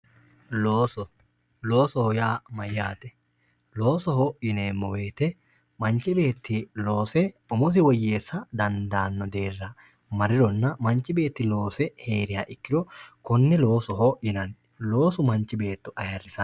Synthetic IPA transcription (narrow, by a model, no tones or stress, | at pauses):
loːsɔlo̞ːsɔhɔjaːmɐjːaːt̪ɛ | lo̞ːsɔɦɔjɪneːmːɔwe̞ːt̪ɛmɐnt͡ʃːɪbe̞ːt̪ːɪlo̞ːsɛɔmʊs̬ɪwɔjːeːsːɐd̪ɐnd̪aːnːɔd̪e̞ːrːɐmɐɾɪɾɔnːɐmɐnt͡ʃːɪbe̞ːt̪ːɪlo̞ːsɛhe̞ːɾɪjaːʔɪkːɪɾɔkɔnːɛloːsɔɦɔjɪnɐn | lo̞ːsʊmɐnt͡ʃːɪbe̞ːt̪ːʊʔɐjɐrːɪsɐn